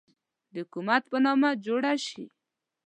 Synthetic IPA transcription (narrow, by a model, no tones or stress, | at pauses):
d̪əʊkumat̪pənɑmad͡ʒoɽaʃḭ